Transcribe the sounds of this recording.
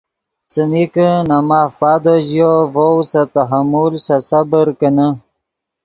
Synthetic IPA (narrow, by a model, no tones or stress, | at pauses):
t͡sənikənamaːfpaːd̪oʑjovowsat̪aɦamulsasabəɾkənə